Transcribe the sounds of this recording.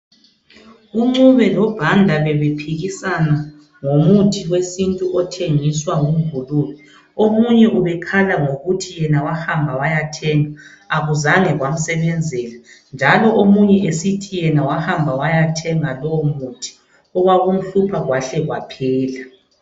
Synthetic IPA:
uŋ͡ǀuβɛlɔb̥ʱandʱaβɛβepʰiɣisana | ŋomutʰiɣwesintʼuʔɔtʰeŋiswaŋumvuluːli | omuɲɛʔuβɛkʰalaŋoɣutʰijɛnawahambʱawajatʰɛŋaː | ɣuzaŋɛɣwam̩sɛβɛnd͡zʱɛla | nd͡ʒʱalɔʔomuɲɛʔesitʰijɛnawahambʱawajatʰɛŋalɔwɔmutʰi̥ | ɔɣwaɣum̩ɬupʰaɣwaɬɛɣwapʰɛːla

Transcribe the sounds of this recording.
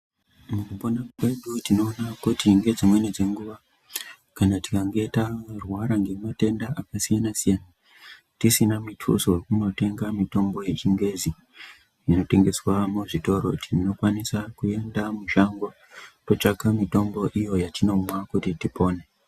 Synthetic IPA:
mukuponakweɗutino̞ːnakutiŋɡe̞d͡zimwe̞ned͡ze̞ŋɡuʋa | kanati̥kaŋɡe̞tarwaɾaŋɡe̞mate̞ndaʔakasijanasijana | tisinamitʰṵsowekuno̞te̞ŋɡamito̞mbo̞je̞t͡ʃiŋɡwe̞zi | jino̞te̞ŋɡe̞swamuʐito̞ɾo̞̰tʰino̞kwanisakue̞ndamuʃaŋɡo | to̞t͡ʃaɡamito̞mbo̞ʔijo̞jatino̞mwakutitipʰo̞ːne

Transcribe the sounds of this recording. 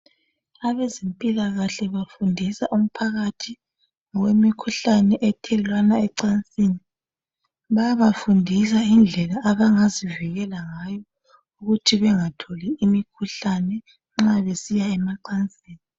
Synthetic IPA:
aβezempʼilaɣaɬɛβafundʱisaʔum̩pʰaɣatʰi | ŋɔwemikʰuɬanɛʔɛtʰɛlwanaɛǀant͡sʼiːni | βajaβafundʱis̬aind͡ɮʱɛlaʔːβaŋaziviɣɛlaŋaːjɔ | uɣutʰiβɛŋatʰoliimikʰuɬanɛ | ŋ͡ǁaβesijaɛmaǀant͡sʼiːni

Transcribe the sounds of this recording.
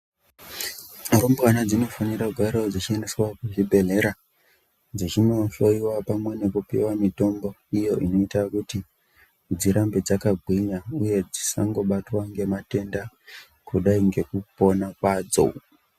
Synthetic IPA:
rombkanad͡zino̞fanirakuɡʱaɾod͡zit͡ʃieneswakuʐibʱe̞ɮe̞ɾa | d͡zit͡ʃino̞ʃo̞iwapamwe̞ne̞kupḭwamito̞mbo̞ijo̞ʔino̞itakuti | d͡ziɾambe̞d͡zakabʱwiɲauje̞d͡zisa̰ŋɡo̞ɓatwaŋɡe̞mate̞nda | kuɗaiŋɡe̞kupo̞nakwaːd͡zo̞̰

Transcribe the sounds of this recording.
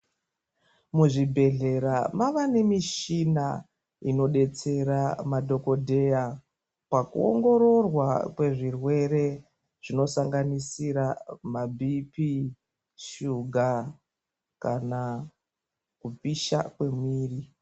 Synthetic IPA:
muʐibʱe̞ɮe̞ɾamaʋane̞miʃina | ino̞ɗe̞t͡se̞ɾamadʱo̞ko̞dʱe̞ja | pakṵo̰ŋɡo̞ɾo̞rwakwe̞ʐirwe̞ɾe̞ | ʐ̥ino̞saŋɡanisiɾamabʱipi | ʃuɡʱa | kana | kupiʃa̰kwe̞mwiːri

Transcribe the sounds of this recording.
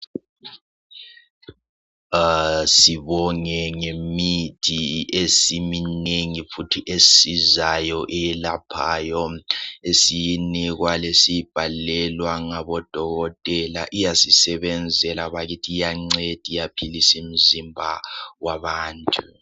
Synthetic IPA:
siβɔŋɛŋemid̥ʱiesimineŋifutʰiʔesizajɔʔɛjɛlapʰaːjɔesijiniɣwalesib̥ʱalɛlwaŋaβɔd̥ʱɔɣɔtʼɛla̰ʔijasisɛβɛnd͡zʱɛlaβaɣitʰijaŋ͡ǀed̥ʱijapʰilisim̩zimbʱa̰waβaːntʼu

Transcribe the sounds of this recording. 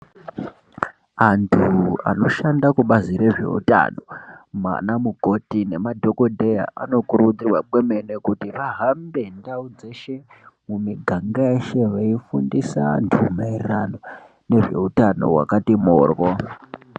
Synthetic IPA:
antʰua̰no̞ʃandakuɓaziɾe̞ʐe̞̰ṵta̰no̞ma̰namuko̞tine̞madʱo̞ko̞dʱeja̰ʔa̰no̞kuɾud͡zirwaɓwe̞me̞ne̞kutiʋaɦambe̞ndaud͡ze̞ʃe̞ | mumiɡʱaŋɡaeʃe̞ʋaifundisa̰ntʰuumairirano̞ | ne̞ʐe̞̰utano̞̰ɦwa̰katimoːrwo

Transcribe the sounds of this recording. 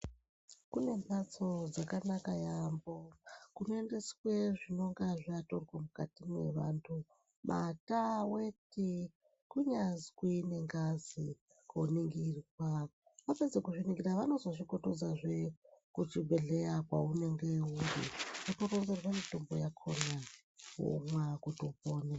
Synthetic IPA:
kune̞mat͡so̞d͡zakanakajambo̞kunoende̞swe̞ʐino̞ŋɡaʐiatorwamukatimwe̞̰ʋaːntʰu | mʔa̰tawe̞ti | kuɲazkine̞ŋɡazi | koniŋɡirwa | ʋaped͡zekuʐiniŋɡiraʋano̞zo̞ʐikotod͡zaʐekut͡ʃibʱeɮejakwa̰une̞ŋɡeumdiatorond͡zerwamito̞mbo̰jakʰona | ṵmwakutopoːne

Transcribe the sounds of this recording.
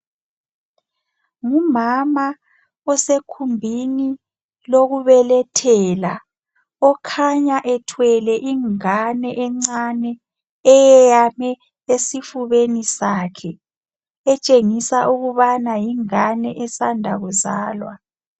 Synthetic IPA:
ŋumama | ɔsekʰumbʱini | loɣuβɛlɛtʰɛːla | ɔkʰaɲaʔɛtʰwɛlɛʔiŋanɛʔɛŋ͡ǀanɛ | ɛjɛjamɛ | esifuβenisakʰɛ | ɛt͡ʃʼeŋisaʔuɣuβanajiŋanɛʔɛsandʱa̰ɣuzaːlwa

